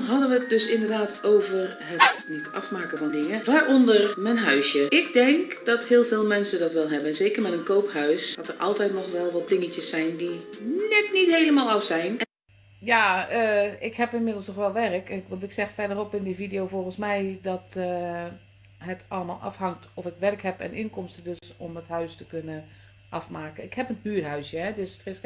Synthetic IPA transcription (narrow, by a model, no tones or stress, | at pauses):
ɦɑdənʋət̚døsɪndərdaːtʰoːvər | ɦətnitɑ̰fmaːkəvɔndɪŋəʋaːɹʔɔndərmɛnɦœɥsjəɪkdɛŋkd̥ɔthɪːlˠveːlˠmɛnsədɑtʋɛlˠɦɛbənzeːkərmɛtənkowphœɥsd̥ɔtərʔɑ̰lˠtɛjtnɔxʋɛlˠʋɔt̚dɪŋət͡ʃəsːɛjndinɛknithejləmaːlˠɑfsɛjn | jaːəɪkhɛpɪnmɪdl̩ˠsnɔxʋɛlˠʋɛrəkʋɑntɪksɛxfɛrdərɔpɪndividəjowvoɣənsmɛjdɔt | ɦətʰɑlˠəma̰ːlˠʔɑ̰fhɑŋtɔfɪkʋɛrkɦɛpɛ̰nʔɪŋkɔmstədøsɔməthœɥstəkønə | ʔɑfmaːkənɪkhɛpənhyərɦœɥsjɛdɪstrɪs